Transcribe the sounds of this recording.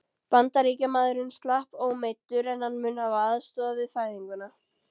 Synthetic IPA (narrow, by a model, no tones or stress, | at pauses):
pant̪aɾiːcamaːðʏɾʏnst̪lahpoɣmejt̪ːʏɾɛnhanːmʏːnavaðst̪ɔːðavɪðfaːjðiŋkʏna